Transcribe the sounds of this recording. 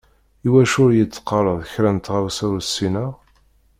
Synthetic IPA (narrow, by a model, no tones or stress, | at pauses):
iwæʃʊɾjət͡sːə̥qːɑɾˤəðˤçɾænt̪ʁawsʊɾsːinəʁ